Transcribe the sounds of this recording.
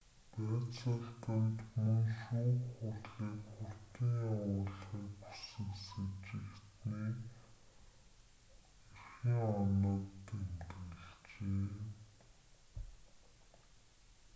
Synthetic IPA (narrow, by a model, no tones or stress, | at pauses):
pæːt͡sə̆ɬt̪ə̆nt̪mɵnʃuːχʊɮɮiːkχʊr̥t̪iːŋʊːɮχiːkpu̥sɘ̆ksɘt͡ɕɪ̆kt̪niː | irxiŋɔnə̆t̪ːemt̪ɘ̆ɬt͡ɕeː